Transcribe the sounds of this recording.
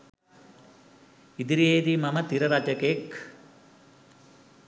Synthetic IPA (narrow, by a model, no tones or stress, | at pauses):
id̪iɾieːd̪imɐmɐt̪iɾɐɾaːd͡ʒɐkeːk